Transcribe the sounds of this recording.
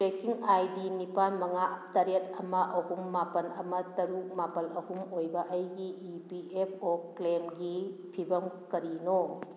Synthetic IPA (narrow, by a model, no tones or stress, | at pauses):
ɾekiŋajdinipanmɐŋatɐɾet̚ɐmɐʔɐhumːapɐnɐmɐtɐɾuk̚mapɐlɐhumojbɐʔɐjɡiːpiepʰoklemɡipʰibɐmkɐɾino